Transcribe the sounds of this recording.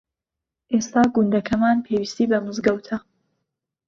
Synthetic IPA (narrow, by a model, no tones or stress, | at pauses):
ʔeːst̪aːɡund̪ɐkʰɐmaːnpʰewiːst̪iːbɐmɨzɡɐwt̪ʰɐ